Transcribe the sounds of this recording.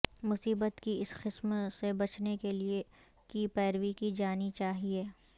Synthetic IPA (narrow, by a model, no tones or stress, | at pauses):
mʊsiːbət̪kiɪsqɪsmsebɐt͡ʃnekelie | kipɛːɾwikid͡ʒaːnit͡ʃaːɦieː